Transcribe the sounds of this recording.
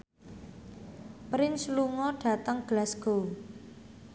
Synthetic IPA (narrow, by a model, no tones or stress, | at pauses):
pɾɪnsluŋɔɖ̥ä̤t̪əŋɡ̥əlasɡ̥o